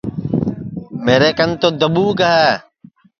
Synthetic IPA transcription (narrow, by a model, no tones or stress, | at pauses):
meːɾeːkənt̪oːd̪əɓuːɡəɦɛː